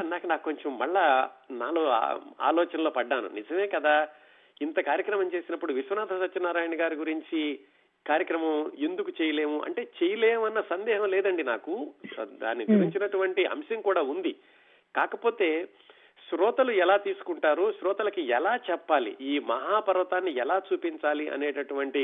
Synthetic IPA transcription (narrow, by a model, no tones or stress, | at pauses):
naːkɐnaːkko̞ɲt͡ʃɐmːɐɭːɐna̰ːlo̰a̰ːlɔːt͡ʃɐnɐlo̞ːpɐɖːaːnṵnid͡ʒɐme̞ːkɐd̪aː | int̪ɐkaːɾjɐkɾɐmɐmt͡ʃe̞ːsinɐpːuɽuʋiʃʋɐnaːt̪ʰɐsɐt͡ʃːɐnːaːɾaːjɐnɐɡaːɾiɡuɾiɲt͡ʃi | kaːɾjɐkɾɐmɐmend̪ukut͡ʃɛːjɐle̞ːmuʔɐ̰ɳʈe̞ːt͡ʃɛjɐleːmɐnːɐsɐnd̪ɛːɦɐmlɛːd̪ɐɳɖinaːkud̪a̰ːnːiɡuɾiɲt͡ʃinɐʈuʋɐɳʈiʔɐ̰mʃɐŋkuːɽaːund̪i | kaːkɐpo̞ːt̪e̞ː | ʃɾɔːt̪ɐluɛlaːt̪iːsu̥kuɳʈaːɾuʃɾɔːt̪ɐlɐkiɛlaːt͡ʃɛpːaːlḭʔiːmɐɦaːpɐɾʋɐt̪aːnːiɛlaːt͡ʃuːpiɲt͡ʃaːliʔɐ̰neːʈɐʈuʋɐɳʈi